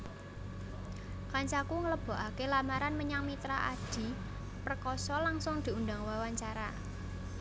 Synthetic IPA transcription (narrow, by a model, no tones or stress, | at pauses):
kaɲt͡ʃakuŋələb̥ɔ̤ʔakelamaɾanməɲaŋmit̪ɾaʔad̥i̤ | pərkɔsɔlaŋsʊŋd̪̥i̤und̪a̤ŋwawaɲt͡ʃaɾa̰